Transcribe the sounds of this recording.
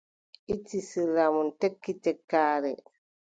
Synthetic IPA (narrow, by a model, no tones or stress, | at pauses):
ʔitːisilːamuntekːitɛkːaːɾɛ̰